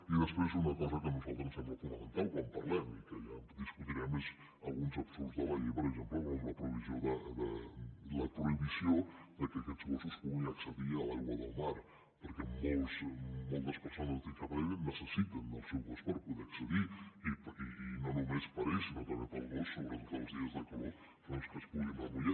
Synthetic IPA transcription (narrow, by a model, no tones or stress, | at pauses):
iðəspɾezunəkɔzəkənuzalˠt̪ɾənsɛməfunəmənt̪awkwampɐɾlɛmikəʎad̪iskut̪iɾɛmez | əlˠɣunzəpt̪uzðəβaʎipəɾəzempləmoləpɾoβizioðəd̪ələkɾoiβiziod̪əkəkɛd͡zɣosuspuɣiŋəksəðiəlawəðəlˠmaɾ | pəɾkɛmolˠzmolˠt̪əspəɾsonəzt̪iŋkaβɾeβennəsəsit̪ənd̪əlsewɣospəɾpuðeɐksəðiipiinonomespəɾesinot̪əmep̪əlɣosːoβɾɛmzəlˠzðiəzðəkəβo | fɾomskəspuɣinəβuʎa